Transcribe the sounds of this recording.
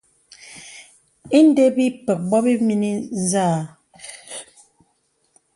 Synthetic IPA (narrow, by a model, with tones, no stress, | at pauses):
i˦n˦de˦bi˦pɛ˨k̚bɔ˦bi˦mi˦ni˦zaː˦˨